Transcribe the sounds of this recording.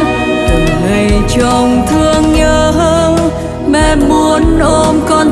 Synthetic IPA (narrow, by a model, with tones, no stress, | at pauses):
ʔə˨˩ŋhə˨˩jt͡ɕə˧˩wŋ͡mkɨ˧əŋɲəː˧ɦəː˧ | mɛ˧˩mu˧ənʔo˧mkɔ˧n